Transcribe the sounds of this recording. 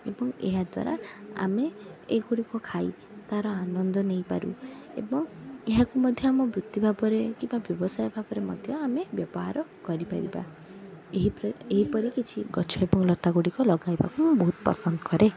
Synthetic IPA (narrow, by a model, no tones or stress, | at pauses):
ebɔŋḛɦad̪wa̰ɾa̰a̰meːɡuɽikɔkʰaj | t̪aɾɔanɔnd̪ɔnejpaɾṵḛbɔŋeɦakumɔd̪ʱjɔamɔbɾut̪ːibʱabɔɾekibabjɔbɔsajɔbʱabɔɾemɔ̰d̪ʱjɔamebjɔbɔɦa̰ɾɔkɔɾipaɾiba̰ | eɦieɦipɔɾikit͡ʃʰiɡɔt͡ʃʰɔebɔŋlɔt̪aɡoɽikɔlɔɡajba̰kumubɔɦut̪pɾɔ̰sɔnd̪ɔ̥kɔɾe